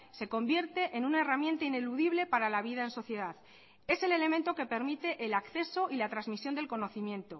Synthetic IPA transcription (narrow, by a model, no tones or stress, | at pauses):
se̞ko̞mbje̞ɾt̪e̞ʔenunae̞ramjẽ̞nt̪aine̞luðiβle̞paɾalaβ̞iðae̞nso̞θje̞ðað | e̞se̞le̞le̞ment̪o̞ke̞pe̞ɾmit̪e̞ʔelakθe̞so̞ʔilat̪ɾazmisjond̪e̞lko̞no̞θimjẽ̞nt̪o̞